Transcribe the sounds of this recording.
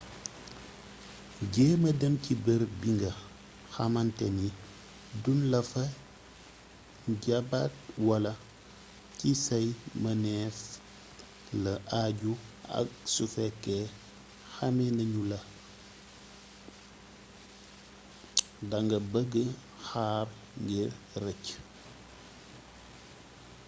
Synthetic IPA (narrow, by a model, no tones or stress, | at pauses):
ɟɛːmɐdəmcibɛɾbiŋɡɐ | xɐmɐntɛni | dunlɐfɐ | ɟɐbat̚wɐlɐ | cisɐjmɐnɛːf | lɐʔaɟuɐ̰k̚sufɛkːɛ | xɐmɛnɐɲulɐ | dɐŋɡɐbəɡːə | xaːr | ŋɡir | rɛc